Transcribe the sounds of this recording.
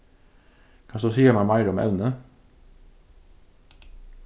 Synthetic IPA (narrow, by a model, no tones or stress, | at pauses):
kʰɑːsd̪oːsiːəmæɪmæɪɾɔmɛ̰ʋnə